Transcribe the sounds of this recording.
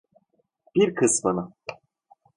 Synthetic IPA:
b̥iɾkʰɯsmɯnɯ

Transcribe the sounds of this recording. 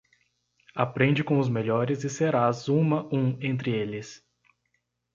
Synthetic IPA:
apɾẽnd͡ʒɪkõʊzmeʎɔɾɪzɪseɾazũmɐũẽnt̪ɾɪelɪs

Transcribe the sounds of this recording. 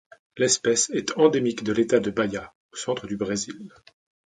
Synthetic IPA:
lɛspɛsɛt̪ʰɑ̃d̪emikd̪əlet̪ad̪əbaja | osɑ̃t̪χəd̪ybʁezil

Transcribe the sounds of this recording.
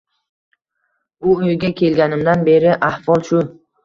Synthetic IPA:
ʊojɡʲakʲʰe̞lɡʲanɪmd̪anbe̞ɾɪʔahvɒlˠʃʊ

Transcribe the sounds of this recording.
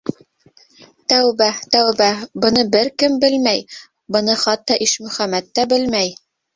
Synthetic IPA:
t̪æwβæt̪æwbæbɤ̆nɤbɘɾkɘmbɘlmæj | bɤ̆nɤχɑt̪ːɑʔiʃmɵ̆χæmæt̪ːæbɘlmæj

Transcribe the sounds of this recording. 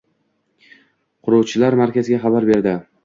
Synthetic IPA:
qʰʊɾɒwt͡ʃʰɪlaɾmaɾkʲazɪɡʲaχɑbaɾbe̞ɾd̪ɪ

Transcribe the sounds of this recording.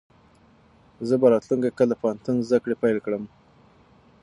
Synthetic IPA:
zəbaɾɑt̪luŋkakələpɑant̪unzd̪akɽepajlkɽəm

